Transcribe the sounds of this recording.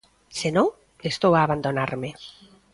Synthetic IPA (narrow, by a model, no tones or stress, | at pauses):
senõŋ | est̪owaːβand̪onaɾme